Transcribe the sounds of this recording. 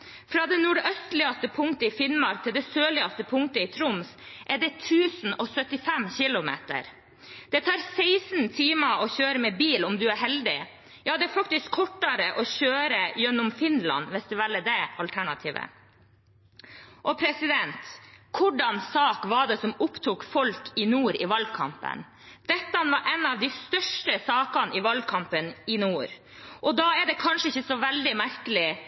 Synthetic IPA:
fɾɑːd̪ɛnuːɖœst̪lɪɑst̪əpʰʊŋkt̪əɪfɪnmɑɾk̚t̪ʰɪld̪ɛsøːlɪɑst̪əpʰʊŋt̪əɪt̪ʰɾʊmsʔæɖɛt̪ʰʉːsn̩ɔsœt̪ːɪfɛmçɪlʊmḛːt̪ə̰ɾ | d̪̥ɛt̪ʰɑːɾseɪsnt̪ʰiːmɑɔçøːɾəmɛbiːlɔmd̪ʉæɾɦɛld̪ɪ | jɑːd̪ɛæɾfɑk̚t̪ɪskʰːɔʈːɑɾəʔɔçøːɾəjɛnːʊmfɪnlɑ̰nʋɛst̪ɪʋɛlːəd̪ɛɑlt̪ʰæɳɑt̪ʰiːʋə̰ | ʔɔpʰɾɛsɪd̪ɛnt̪kʰʊɖɑnsɑːkʋɑɖɛsɔmʊpt̪ʰukfɔlkʰɪnuːɾɪʋɑlɡkʰɑ̰mpə̰n | d̪̥ɛt̪ːɑɑnʋɑɾʔɛnɑʋd̪æɪst̪œʂʈəsɑːkɑnɪʋɑlɡ̚kʰɑmpənɪnuːɾ | ʔɔd̪ɑːæɖɛkʰɑnʂəɪçːəsɔʋɛld̪ɪmæɾkəlɪ

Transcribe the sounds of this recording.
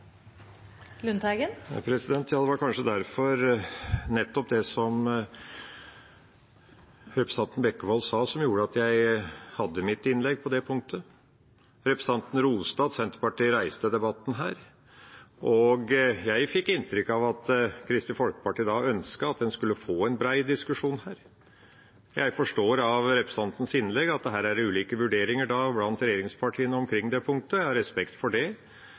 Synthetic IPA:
lʉnt̪æɡənɑpʰɾɛsɪd̪ɛnt̪ʰjɑːd̪ɛʋɑɾkʰɑnʂəd̪æɾfɔɾnɛt̪ːɔp̚d̪ɛsɔm | ɾɛpɾəsɑnt̪n̩bɛkːəʋɔlsɑːsɔmjuːɾəɑt̪jæɪhɑd̪ːəmɪt̪ːɪnlɛɡ̚ːpʰɔd̪ɛpʰʊŋ̚t̪ʰə | ɾɛpɾəsɑnt̪n̩ɾuːst̪ɑːd̪sɛnt̪əɾpɑʈiːɾæɪst̪əd̪ɛbɑt̪ːn̩ɦæːɾ | ʔɔɡjæɪfɪkːɪnt̪ɾʏkːɑʋɑt̪kʰɾɪst̪ɪfɔlkə̥pɑʈiːd̪ɑʔœnskəɑt̪̚d̪ɛnskʉlːəfoːɛnbɾæɪd̪ɪskʉʂuːnhæːɾ | jʔæɪfɔʂʈoːɾɑʋɾɛpɾɛsɑnt̪n̩sɪnlɛɡɑt̪̚d̪ɛɦæːɾæɾʉːliːkəʋʉɖeːɾɪŋəɖɑblɑnt̪ɾɛjeːɾɪŋspʰɑʈʰiːənəɔmkʰɾɪŋːd̪ɛpʰʊŋ̚t̪əæhɑɾɛspɛkt̪fɔɖɛ

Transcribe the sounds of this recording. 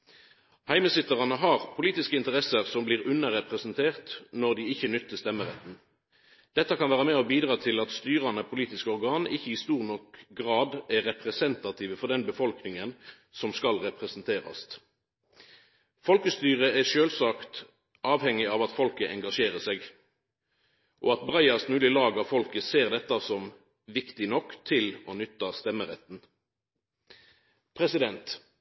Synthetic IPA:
hæɪməsɪt̪ːəʁɑnəɦɑʁpʰʊliːt̪ɪskəɪnt̪əʁɛsəʁsɔmbliːʁʉnːəʁɛpʁəsnt̪ʰeːʁt̪nɔʁd̪iɪçːənʏt̪ʰːəst̪ɛmːəʁɛt̪n̩ | d̪̥ɛt̪ːəkʰɑnʋæːʁəmɛːɔbiːd̪ʁɑːt̪ʰɪlɑt̪st̪yːʁɑnəpʰʊliːt̪ɪskəɔʁɡɑːnɪçːəɪst̪uːʁnɔkɡʁɑːd̪æʁɛpʁɛsɛnt̪ɑt̪ʰiːʋəfɔʁd̪ɛnbəfɔlknɪŋən | sɔmskɑlʁɛpʁɛsnt̪ʰeːʁɑ̰st̪ | fɔlkəst̪yːʁəæʃøːlsɑːkt̪ | ʔɑːʋhɛŋɪɑʋɑt̪fɔlkəʔɛŋɡɑʂeːʁəsɛːɡ | ʔoːɑt̪bʁɑɪɑsmʉːlɪlɑːɡɑfɔlkəseːʁd̪ɛt̪ːɑsɔm | ʋɪkt̪ɪnɔkːt̪ʰɪloːnʏt̪ːɑst̪ɛməʁɛt̪ːn̩ | pʰʁɛsɪd̪ɛnt̪

